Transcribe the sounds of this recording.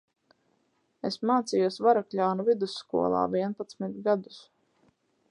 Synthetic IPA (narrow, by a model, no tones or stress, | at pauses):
esmaːt̪sijuɔsvaɾakʎʲaːnuvid̪usːkṵɔlˠa̰ːvʲiɛnpat̪smit̪ɡad̪u̥s